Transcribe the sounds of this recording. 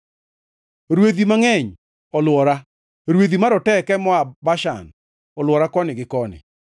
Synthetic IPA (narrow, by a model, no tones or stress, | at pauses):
ɾweðimaŋɛɲ | ɔlwɔɾa | ɾweðimaɾɔtɛkɛmɔabaʃa̰n | ɔlwɔɾakɔnɪɡɪkɔnɪ̰